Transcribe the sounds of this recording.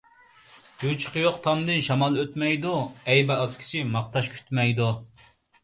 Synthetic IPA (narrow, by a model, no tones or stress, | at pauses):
yt͡ʃʰqʰəjoqt̪ʰɑmd̪ɨnʃɑmɑlˠøt̪mɛjd̪uɛjbɛɑzkʲʰi̥sɪmɑqt̪ɑʃkʲʰy̥t̪mɛjd̪u